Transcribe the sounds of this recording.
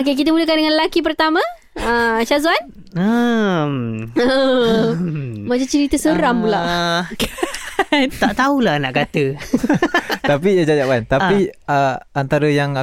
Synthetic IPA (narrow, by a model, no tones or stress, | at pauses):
okek̬it̪̬əmuləkandəŋãnllakip̬ərt̪amã | əʃazuan | əmə | mat͡ʃat͡ʃəɾit̪əsəɾampulak | t̪aʔt̪aulahnaʔkat̪ə | apijad͡ʒad͡ʒaʔpant̪apiəant̪aɾəjaŋa